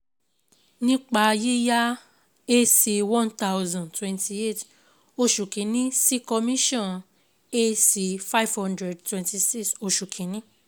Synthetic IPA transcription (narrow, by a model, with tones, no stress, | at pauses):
nĩ˦k͡pa˧je˦ja˦ | e˦si˧wɔ̃˦nta˦wzɔ̃˨ntwɛ̃˧nti˧e˦˨t | o˧ʃu˨kĩ˨˦nĩ˦si˦kɔ˧mĩ˦ʃɔ̃˦˨n | e˦si˧fa˦i˨vhɔ̃˦ndɾɛ˨d̚twɛ̃˧nti˧si˦kso˧ʃu˨kʰĩ˨˦nĩ˦